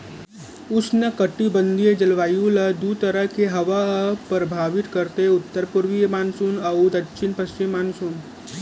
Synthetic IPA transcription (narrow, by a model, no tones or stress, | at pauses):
ʊsnəkəʈibənd̪ʱijed͡ʒɐlʋaːjuləd̪ut̪əɾəkeɦɐʋapɾəbʱaːʋit̪kəɾt̪eʊt̪ːəɾpuɾʋijəmaːnsuːnəwd̪ɐkːʃʰinpəst͡ʃimːaːnsuːn